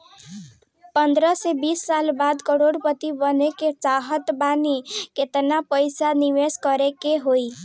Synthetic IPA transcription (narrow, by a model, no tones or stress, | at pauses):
pənd̪ɾəsebisːalbad̪kəɾoɽpət̪ibəneket͡ʃaɦət̪baniket̪napəjsaniʋeskəɾekeɦoi